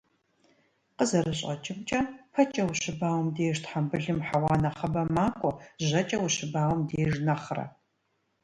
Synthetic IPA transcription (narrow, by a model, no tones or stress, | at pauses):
qəzɐrɨɕʼɐt͡ʃʼɪmt͡ʃʼɐpʰɐt͡ʃʼɐwʊɕɨbaːwmdeːʂtʰħambɨɮɨmħawɑːnɐχɐbɐmaːkʷʼɔʒɐt͡ʃʼɐwʊɕɨbaːwmdeːʒnɐχrɐ̰